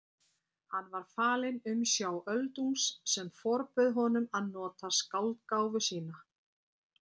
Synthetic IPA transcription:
hanːvaɾ̥faːlɪnʏmsjawʔœlt̪unsːɛmfɔɾpʏðɦɔnʏmaðnɔːt̪askawlt̪kaːwvʏsiːna

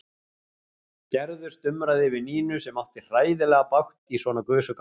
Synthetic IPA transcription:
cɛɾðʏ̥st̪ʏmɾaðɪvɪniːnʏsɛmaht̪ɪr̥aːjðɪlɛɣapawxt̪isvɔːnakœːsʏk

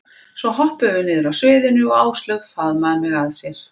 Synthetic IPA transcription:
svɔɦɔhpœvʏnɪːðʏɾawsvʏːðɪnʏɔaːwst̪lœɣfaðmaðmɛɣaðsjɛɾ̥

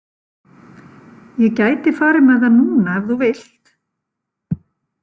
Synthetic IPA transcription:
jɛcaːjt̪ɪfaːɾɪmaðanuːnaːvθuvɪl̥t̪

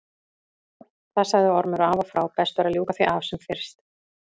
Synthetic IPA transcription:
θaðsaɣðɪɔɾmʏɾaːvafɾaːwpɛst̪vɛɾaðljuːkaθviʔavsɛmfɪɾ̥st̪

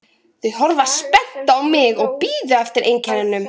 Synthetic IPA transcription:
θʏðɦɔɾvaspɛn̥t̪aawmɪɣɔɣpiːðʏɛft̪ɪɾʔejŋcʰɛnɪnːʏm

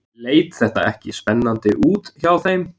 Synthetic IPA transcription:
leːjt̪θɛht̪a̰ɛhcɪspɛnːant̪ɪʔuːt̪çawθejm

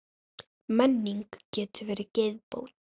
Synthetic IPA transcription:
mɛnːiŋkcɛːt̪ʏvɛːɾɪcejðpo̰ːwt̪

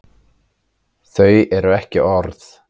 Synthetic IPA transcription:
θœɥɛɾʏɛhcɪʔɔɾθ

